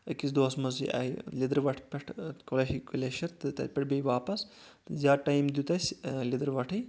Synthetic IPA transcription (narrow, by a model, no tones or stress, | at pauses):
ɐkis̬d̪oːsmɐzḭʔa̰ilid̪ɐɾʋɐʈʰpʲɐʈʰkolɐʃikulʲeʃɐɾt̪ɨt̪ɐ̰pʲɐʈʰbʲejʋaːpɐs | ɨzaːʈajmd̪ʲut̪ɐsʲlid̪ɐɾʋɐʈʰij